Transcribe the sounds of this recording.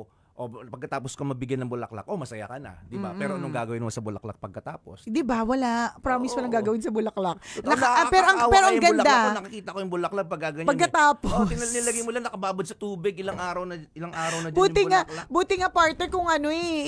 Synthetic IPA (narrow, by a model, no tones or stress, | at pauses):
ʔopɐɡ̚kɐt̪aːposkomɐbɪɡjanːɐŋbʊlɐ̰kla̰k̚ʔo̞mɐsɐja̰kɐna̰d̪ɪba̰pɛːɾoʔɐnoŋɡaːɡɐwɪnmɐsɐbʊlɐ̰k̚la̰k̚pɐɡ̚kɐt̪aːpo̞sd̪ɪbawɐlapɾamismolɐŋɡaːɡɐwɪnsɐbʊlɐklɐk̪̚ɐkapɛːɾoʔɐŋpɛːɾoʔɐŋɡɐʊld̪aonɐkɐkiːt̪ɐʔkojʊŋbʊlɐklaɡ̚pɐɡaɡɐɲpɐɡkːɐt̪aːpoɪnnilɐɡɐjmolanɐkɐbaːbod̪sɐt̪uːbɪɡʔɪlaŋʔaːɾɐwnɐɪlaŋʔaːɾɐwnɐbuːɪŋabuːt̪ɪŋɐpaɹt̪̚nɛɹkʊŋʔɐnoɛ